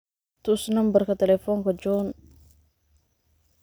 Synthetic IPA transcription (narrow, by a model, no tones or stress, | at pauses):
t̪ʊsnɐmbɐrkɐt̪ɛlɛfɔŋkɐd͡ʒɔn